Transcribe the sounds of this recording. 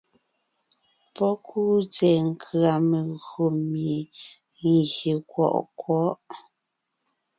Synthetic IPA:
pɔ˦kʰuː˦t͡sɛ˨ŋ̩˨kʰɰa˨me˨ɣo˨mje˨ | ŋ˨ɣe˨kwɔ̰˨ʔkwɔ˦˨˦ʔ

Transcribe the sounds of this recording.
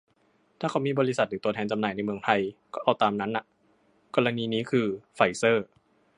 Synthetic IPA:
t̪ʰaː˥˩kʰa˧˩wmiː˧˥bɔː˧ɾi˦˥sa˨˩t̪̚ɾɯː˩t̪u˧əɛː˧nt͡ɕa˧mnaː˨˩jna˧jmɯ˧əŋt̪ʰa˧jkɔː˥˩ʔa˧˩wt̪aː˧mna˦˥nːa˧˩ʔ | kɔː˧la˧niː˧niː˦˥kʰɯː˧fa˨˧˩jsɤː˥˩

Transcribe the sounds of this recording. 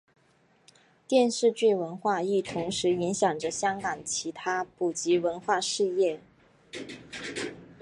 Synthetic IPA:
t̪jɛ˥˧nʂɻ̩˥˧t͡ɕy˥˩wə˧˥nxwa˥˧i˥˩t̪ʰʊ˧˥ŋʂɻ̩˧˥i˧˥ŋɕjɑ˨˩ŋʈ͡ʂə˧˦ɕjɑ˥ŋkɑ˨˩ŋt͡ɕʰi˧˥t̪ʰa˥pu˨˩t͡ɕi˧˥wə˧˥nxwa˥˧ʂɻ̩˥˧jɛ˥˩

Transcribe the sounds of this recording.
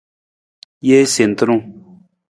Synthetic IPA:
je˦se˨n˨t̪ə˦ɾũ˦˨

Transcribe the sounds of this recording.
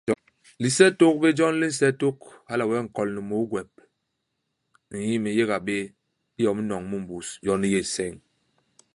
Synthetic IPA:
li˨sɛ˦to˦k̚be˦d͡ʒɔ˦n˦li˦n̩˦sɛ˦to˦k̚ha˦la˨wɛ˦˨ŋ̩˨kɔ˨lni˨mo˨˦ɡwɛ˨p̚ | i˨ji˦mi˨je˦ɣa˨ɓe˦ | i˦jɔ˨m˦nɔ˨ŋmu˦m̩˨bu˨sd͡ʒɔ˦n˦je˨sɛ˦˨ŋ

